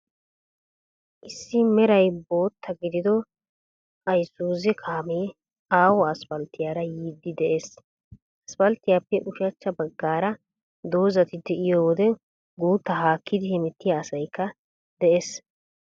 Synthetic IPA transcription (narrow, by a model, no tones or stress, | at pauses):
ʔɪsːɪmɛɾɐjbo̞ːt̪ʰːɐɡɪd̪ɪd̪ɔ | ʔɐjsuːzɛkʰaːmeː | aːwɔɐsfɐlt̪ːɪjaːɾɐjiːd̪ːɪd̪ɛʔes | ʔɐsfɐlt̪ːɪjaːpːɛʔʊʃɐt͡ʃːɐbɐɡːaːɾɐ | d̪o̞ːzɐt̪ɪd̪ɛɪjɔwɔd̪ɛ | ɡuːt̪ːɐɦaːkʰːɪd̪ɪhɛmɛt̪ːɪjaːsɐjkːɐ | d̪ɛʔes